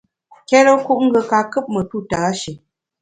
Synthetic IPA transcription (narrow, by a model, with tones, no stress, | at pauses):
kɛ˦ɾə˦ku˦ʔŋ̩˦ɡə˨ka˨kɨ˦p̚mə˨tu˦˨taː˨˦ʃə˨